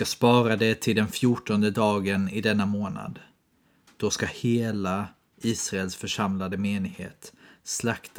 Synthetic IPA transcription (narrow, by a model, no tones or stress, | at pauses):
kaspɑːɾad̪ɛt̪ʰɪld̪ɛnfjuʈɔnd̪əd̪ɑːɡənɪd̪ɛnːamoːna̰d̪ | d̪̥ɔskaheːla | iːsɾaɛlsfœʂamlad̪əmeːnɪɡhḛːt̪slakt̪ʰ